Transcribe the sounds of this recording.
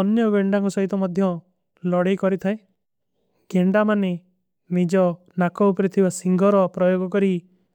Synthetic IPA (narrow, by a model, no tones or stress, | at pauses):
ɔnjɔɡeɳɖaŋkɔsɔɦit̪ɔmɔd̪ʱjɔ | lɔɽekɔɾit̪ʰae | ɡ̥eɳɖamane | nid͡ʒɔ | nakɔwpɾit̪ʰibasiŋɡʱɔɾɔpɾɔjoɡɔkɔɾi